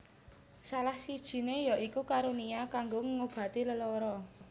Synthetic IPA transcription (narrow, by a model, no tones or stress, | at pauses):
salahsid̥ʒ̥i̤nejɔʔikukaɾuniakaŋɡoŋəŋob̥ä̤t̪iləlɔɾɔ